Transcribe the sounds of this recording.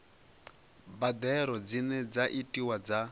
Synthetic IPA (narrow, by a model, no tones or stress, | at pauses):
bad̪ɛɾɔd͡zinɛd͡zaʔitʼiwad͡za